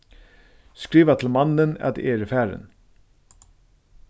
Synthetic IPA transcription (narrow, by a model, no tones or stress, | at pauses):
skɾiːʋat̪ʰl̩mɑnənɑ̰d̪ʔeːɾəfæːɾə̰n